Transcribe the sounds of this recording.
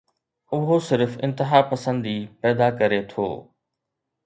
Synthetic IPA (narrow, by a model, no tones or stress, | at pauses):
ʊɦosɪɾfɪ̰̃nt̪ɪɦapɐsə̃nd̪ipɛːd̪akɐɾet̪ʰo̰ː